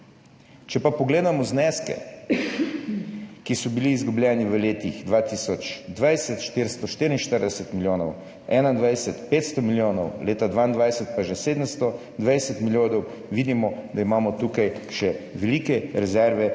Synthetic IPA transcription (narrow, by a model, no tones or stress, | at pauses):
t͡ʃɛpapɔɡleːd̪amɔznɛskɛ̰ | kisɔbiliːzɡublʲjɛːniʋəleːt̪ixd̪ʋaːt̪isɔt͡ʃd̪ʋajsɛt̪ʃt̪iɾst̪ɔʃt̪iːɾinʃt̪əɾd̪ɛsɛt̪miljoːnɔw | ɛːnand̪ʋajsɛt̪peːt̪st̪ɔmiljoːnɔwleːt̪ad̪ʋaːind̪ʋajsɛt̪̚paʒɛseːd̪əmst̪ɔ | d̪ʋajsɛt̪miljoːd̪ɔw | ʋiːd̪imɔd̪aimaːmɔt̪ukajʃɛʋɛliːkɛɾɛzɛɾʋɛ